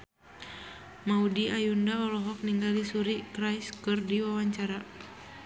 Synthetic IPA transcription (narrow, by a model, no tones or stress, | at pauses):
maudiajundaɔlɔɦɔk̚niŋɡalisuɾikɾajskɨrdiwawaɲt͡ʃaɾa